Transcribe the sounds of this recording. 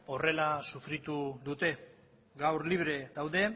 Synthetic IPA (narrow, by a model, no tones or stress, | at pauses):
o̞re̞lasufɾit̪uðut̪e̞ | ɡawɾliβ̞ɾe̞ðawðe̞